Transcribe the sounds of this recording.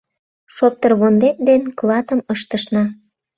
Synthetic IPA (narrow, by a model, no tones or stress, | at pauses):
ʃop̚t̪ərβond̪et̪̚d̪enklɑt̪əməʃt̪əʃnɑ